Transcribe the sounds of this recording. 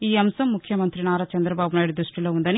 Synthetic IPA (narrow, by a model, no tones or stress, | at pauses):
iːɐmsɐmːukʰjɐmɐnt̪ɾinaːɾɐt͡ʃɐnd̪ɾɐbaːbunaːjɽud̪ɾuʂʈilo̞ːund̪ɐni